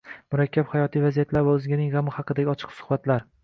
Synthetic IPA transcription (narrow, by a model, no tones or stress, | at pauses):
mʊɾakʲʰːaphajɒt̪ʰijvazijat̪ʰlaɾvaɵzɡʲɪnɪŋʁɑmɪhɑqɨd̪aɡʲɒt͡ʃʰɨ̥qsʊ̥hbat̪ʰlaɾ